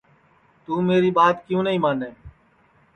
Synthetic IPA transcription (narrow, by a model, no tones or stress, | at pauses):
t̪uːmeːɾiːɓaːt̪kjũːnəɦĩːmaːneː